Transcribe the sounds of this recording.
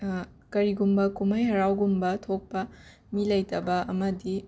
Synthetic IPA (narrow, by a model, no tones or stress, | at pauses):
kɐɾiɡumbɐkumɐjɦɐɾawɡumbɐtʰok̚pɐ | milɐjtɐbɐɐmɐdi